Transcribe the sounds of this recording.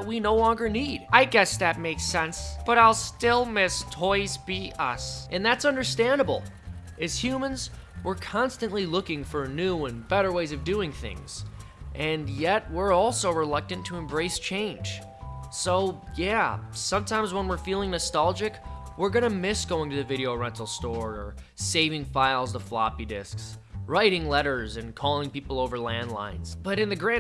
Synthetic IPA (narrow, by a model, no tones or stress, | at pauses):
ət̚winoʊlɔ̃ŋɡə˞nid̥aɪɡɛsðɨt̚meɪksɛ̃nsb̥ʌɾaɪlˠstɪlˠmɪstʰɔɪzbiʔʌ̰sʔɨ̃nðætsʌ̃ndə˞stæ̃ndəbl̩ˠ | ɨz̥hjʉmɨ̃nz | wə˞kʰɑ̃nstɨ̃nʔlilʊkɪ̃ŋfə˞nʉə̃nbɛɾə˞weɪzʌvdʉɪ̃ŋθɪ̰̃ŋz̥ | ʔɨ̃njɛt̚wɪɹɔlˠsoʊɹəlʌk̚tɨ̃ntʰɨɨ̃mbɹeɪst͡ʃʰẽɪ̃n̥ʒ̥ | soʊjæsʌ̃mtʰãɪ̃mzwə̃nwɪɹfilˠɪ̃ŋnɨstælˠd͡ʒɪkwɪɹɡʌñɨmɪsɡ̥oʊɪ̃ŋtɨðɨvɪɾioʊɹɛ̃ntl̩ˠstɔɹə˞ | seɪvɪ̃ŋfaɪlˠzðəflɑ̰pidɪsks | ɹaɪɾɪ̃ŋlɛɾə˞zɨ̃nkʰɔlˠɪ̃ŋpipl̩ˠoʊvə˞læ̃ndˡlã̰ɪ̃nz̥b̥ʌɾɨ̃nðɨɡɹæ̃